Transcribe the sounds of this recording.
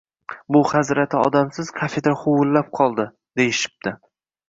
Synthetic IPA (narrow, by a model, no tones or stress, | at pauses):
bʊhazɾat̪ʰɪɒ̰d̪amsɪz̥kʰafed̪ɾaχowʊlːap̚qʰɒlˠd̪ɪ | d̪e̞jɪʃɪ̥p̚d̪ɪ